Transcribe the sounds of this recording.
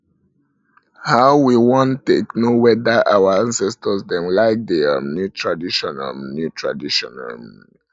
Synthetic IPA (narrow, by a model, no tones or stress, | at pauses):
haʊwiwɔ̃ntːeknowɛdəʔawəãnsɛstəsdɛ̃mlaɪk̚d̪eanutʰɹadiʃɔna̰lnutʰɹa̰diʃɔna̰l